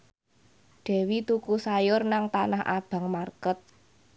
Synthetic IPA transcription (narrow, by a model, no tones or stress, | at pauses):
ɖ̪̥ɛ̤wit̪ukusajʊrnaŋt̪anahʔa̰b̥a̤ŋmarkət̪̚